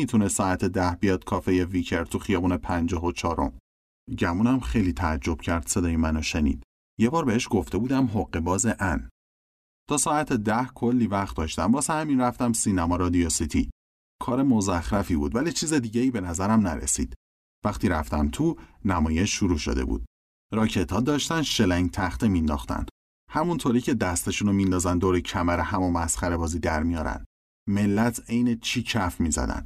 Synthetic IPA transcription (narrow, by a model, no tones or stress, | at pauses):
it̪ʰunest̪ːɒːæt̪ʰed̪æhbijɒːd̪̥̚kʰɒːfe̞jevicʰeɾt̪ʰuxijɒːbuːnepʰænd͡ʒɒːɦot͡ʃʰɒːɾo̞̰m | ɟæmunæmχe̞jliːt̪ʰæːd͡ʒːo̞b̥cʰæɾd̪̥se̞d̪ɒːjemænoʃe̞nḭːd̪̥ | jebɒːɾbe̞heʃɡ̥o̞ft̪ʰe̞buːd̪æmɦoɢːe̞bɒːzeʔæn | t̪ʰɒːsɒːæt̪ʰed̪æhkʰo̞lːiːvæχt̪̚d̪ɒːʃt̪æmbɒːsæhæminræft̪æmsinæmɒːɾɒːd̪iosit̪ʰi | kʰɒːɾe̞mozæxɾæfibuːd̪vælit͡ʃʰiːze̞d̪iːɟeiːbe̞næzæɾæmnæɾḛsḭːd̪̥ | væxt̪iːɾæft̪æmt̪ʰunæmɒːje̞ʃʃːuɾuːʃo̰d̪ḛbṵːd̪̥̚ | ɾɒːcʰe̞t̪ʰhɒːd̪ɒːʃt̪ænd̪ʃe̞læŋɟt̪ʰæxt̪emind̪ɒ̰xt̪æ̰nd̪̥ | hæmunt̪ʰoɾiːcʰe̞d̪æst̪eʃuːnomind̪ɒːzænd̪owɾecʰæmæɾehæmomæsχæɾe̞bɒːziːd̪æɾmijɒːɾæ̰nd̪ | me̞lːæt̪ʰe̞jnet͡ʃʰiːcʰæfmiːzæ̰d̪æ̰nd̪